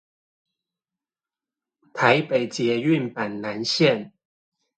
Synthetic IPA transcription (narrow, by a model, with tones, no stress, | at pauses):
t̪ʰa˨˦ɪpe˨˩ɪt͡ɕjɛ˨˥y˥˨npa˨˩nna˧˦nɕjɛ˥˨n